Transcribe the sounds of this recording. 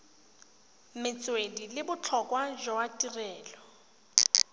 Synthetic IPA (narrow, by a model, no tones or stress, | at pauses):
mɪt͡sʼwedilɪbʊt͡ɬʰɔkʼwaʒɔatʼirɛːlɔ